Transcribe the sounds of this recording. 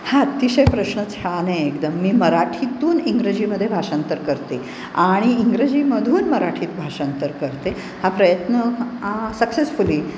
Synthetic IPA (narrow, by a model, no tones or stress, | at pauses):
haət̪iɕəjpɾəɕɳət͡sʰeɭanẽekd̪əmːiːməɾaʈʰit̪uːniŋɡɾəd͡ʑiːməd̪ʱːjebʱaʂant̪əɾkəɾt̪e | aɽ̃iːŋɡɾed͡ʑiːməd̪ʱuːnməɾaʈʰiːt̪bʱaʂant̪əɾkəɾt̪e | hapɾəjət̪nə | səksesfuliː